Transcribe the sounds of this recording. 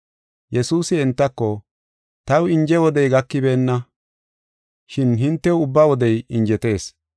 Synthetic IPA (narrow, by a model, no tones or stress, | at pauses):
jɛsuːsɪɛnt̪ːɐkːɔ | t̪ɐwɪnd͡ʒɛwɔd̪ɛjɡɐkːɪbeːnːɐ | ʃɪnɦɪnt̪ːɛwʊbːawɔd̪ɛjɪnd͡ʒɛt̪e̞ːs